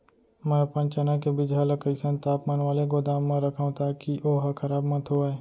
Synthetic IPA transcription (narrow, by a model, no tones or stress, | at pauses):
mɛ̃ːɐpə̃nt͡ʃənakebid͡ʒɦaːləkəɪsə̃nt̪aːpmaːnʋaːleɡoːd̪aːmːãɾɐkʰãt̪aːkiʔoːɦɐkʰɐɾaːbmɐt̪ʰɦoːaːeː